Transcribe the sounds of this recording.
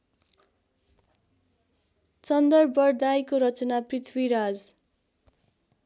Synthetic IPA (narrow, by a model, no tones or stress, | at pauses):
t͡sʌnd̪ʌrbʌrd̪ajkoɾʌt͡sʌnaprit̪ʰwiɾad͡z